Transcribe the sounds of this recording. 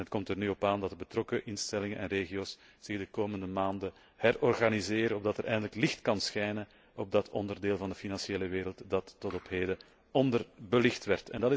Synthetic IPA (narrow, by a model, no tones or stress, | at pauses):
nət̚kɔmtərnyɔpaːndɑt̚dəbətrɔkəʔɪnstɛlɪŋənʔɛnreːɣioːs | z̥ɪɣdəkoːməndəmaːndə | hɛrɔrɣanizeːɾəɔbdɑtəɾʔɛjɣəndələklɪxtkɑnsxɛjnə | ɔb̚dɑtʰɔ̰ndərdeːlˠvɑndəfinɑnseːləʋeːɾəlˠtdɑtːɔtɔpɦeːdə | ɔndərbəlɪxtʋɛrtɛndɑtɪ